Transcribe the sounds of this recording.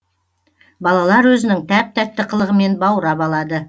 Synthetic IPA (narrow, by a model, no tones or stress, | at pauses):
bɑlˠɑlˠɑɾwɵzɪnɪŋt̪ʰæp̚t̪ʰæt̪ːɪqʰəlˠəʁəme̞nbɑwɾɑbɑlˠɑd̪ə